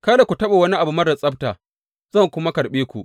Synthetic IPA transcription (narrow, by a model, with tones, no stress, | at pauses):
ka˦da˨kʷu˨tɐ˦ɓa˨wɐ˦ni˦ʔa˨bu˨mɐ˦rda˨sʼɐ˦b̚taː˨ | zɐ˦˨ŋkʷʊ˦ma˦kɐ˨ɾɓeː˦kʷu˨ʔ